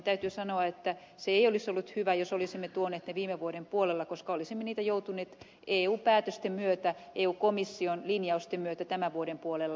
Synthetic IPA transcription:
t̪æyt̪ysɑnoɑet̪ːæ | seeiolisolːut̪hyʋæjosolisimːet̪uoneːt̪neʋiːmeʋuodempuolelːɑkoskɑolisimːeniːt̪æjout̪uneːt̪ | ʔeːuːpæːt̪øst̪emmyøt̪æʔeːuːkomisːionlinjɑust̪emmyøt̪æt̪æmæʋuoɾempuolelːɑ

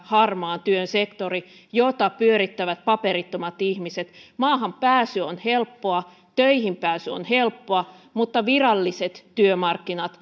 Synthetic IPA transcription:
hɑrmɑːnt̪yønsekt̪ori | jot̪ɑpyøɾit̪ːæʋæt̪̚pɑperit̪ːomɑt̪ihmiset̪mɑːɦɑmpæːsyonhelpːoɑ | t̪øihimpæːsyo̰nhelpːoɑ | mut̪ːɑʋirɑlːiset̪ːyømɑrkːinɑt̪

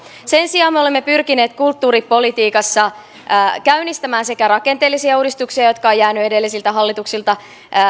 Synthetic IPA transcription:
se̞nsiɑːmeolemːe̞pyrkine̞ːt̪kult̪ːuːɾipo̞lit̪iːkɑsːɑ | kæynist̪æmæːnse̞kærɑke̞nt̪eːlisiæuːdist̪uksiɑjo̞t̪kɑojjæːnye̞de̞lːisilt̪æɦɑlːit̪uksilt̪ɑ

